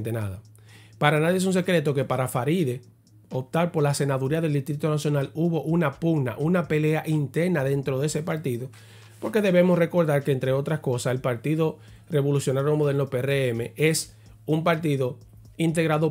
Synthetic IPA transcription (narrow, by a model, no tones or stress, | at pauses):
t̪enaða | paɾanaðjes̬uns̬e̞kɾe̞t̪o̞ke̞paɾafaɾiðe̞ | op̚t̪aɾpo̞ɾlase̞naðuɾiaðe̞ld̪ist̪ɾit̪o̞nasjo̞naluβo̞ʔunapuɡna̰ʔunape̞le̞aʔint̪e̞ɾnaðe̞nt̪ɾo̞ðe̞se̞paɾt̪iðo̞ | po̞ɾke̞ðe̞βemosre̞ko̞ɾðaɾkeːnt̪ɾeo̞t̪ɾasko̞sase̞lpaɾt̪iðo̞ | re̞βo̞lusjo̞naɾjomoðenopereeme̞ʔe̞s | umpaɾt̪iðo̞ | int̪e̞ɣɾaðo